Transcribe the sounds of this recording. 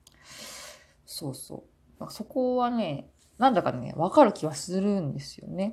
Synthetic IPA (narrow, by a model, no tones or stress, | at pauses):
so̞ːso̞̰ː | d̪akaso̞ko̞βane̞ | nãnd̪akane̞̰βakaɾɯ̟kʲiβasɨɾɯ̟̃nd̪e̞sɨjo̞̰ne̞